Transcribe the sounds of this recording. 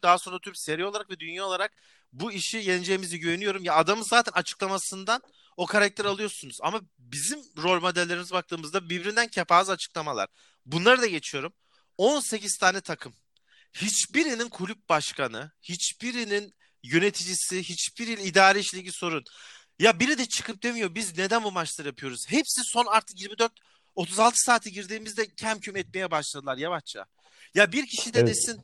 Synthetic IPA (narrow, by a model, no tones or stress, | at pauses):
d̪aɦaso̞nɾat̪ʰyɾpse̞ɾioaɾak̚vɛd̪ynjaːo̞lˠaɾak̚ | buiʃijenʲd͡ʒe̞jimiziɟøjenyjo̞ɾumjaːd̪amɯzaːt̪ʰɛnat͡ʃʰɯ̥klˠamasɯnd̪an | o̞kʰaɾak̚t̪ʰæɾalˠɯjo̞sunuza̰ma | bizimɾo̞lʲmo̞d̪ælʲːe̞ɾimizbak̚t̪ʰɯːmɯzd̪abibɾind̪æncʰapaːzat͡ʃʰɯ̥klˠamalˠa̰ɾ̥ | bunlˠaɾɯd̪aɟe̞t͡ʃʰijo̞ɾum | o̞nse̞ciz̥t̪ʰaːnʲɛt̪ʰakʰɯm | hit͡ʃbiɾininkʰulʲyp̚baʃkʰanɯhit͡ʃb̥iɾinin | jø̞ne̞t̪ʰid͡ʒisihit͡ʃbiɾilʲid̪aːɾʲeiʃlʲeɟiso̞ɾun | jabiɾid̪ɛt͡ʃʰɯ̥kʰɯp̚d̪e̞mijo̞bizne̞d̪ænbumat͡ʃlˠaɾɯjapʰɯjo̞ɾuz̥ɦe̞psiso̞naɾt̪ʰɯ̥kjiɾmid̪øɾt̪ | ot̪ʰuzalˠt̪ʰɯ̥saːt̪ʰiɟiɾd̪iːmizd̪ɛcʰæmcʰymɛt̪̚me̞jɛbaʃlˠad̪ɯlˠaɾjavat͡ʃt͡ʃʰa̰ | jabiɾcʰiʃid̪ɛd̪esin